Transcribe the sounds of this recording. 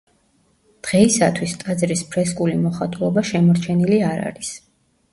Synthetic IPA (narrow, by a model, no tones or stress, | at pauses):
d̪̥ʁɛisat̪ʰwist̪ʼad̪zɾispʰɾɛskʼulimɔχat̪ʼulˠɔbaʃɛmɔɾt͡ʃʰɛniliaɾa̰ɾis